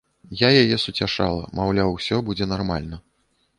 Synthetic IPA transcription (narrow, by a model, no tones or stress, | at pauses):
jajajɛsut͡sʲaʂa̰lˠɐ̰mawlʲawsʲɔbud͡zʲɛnarma̰lʲnɐ